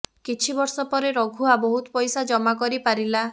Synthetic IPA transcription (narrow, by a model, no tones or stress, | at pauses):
kit͡ʃʰibɔɾsɔpɔɾeɾɔɡʱuabɔɦut̪ɔpɔjsad͡ʒɔmakɔɾipaɾila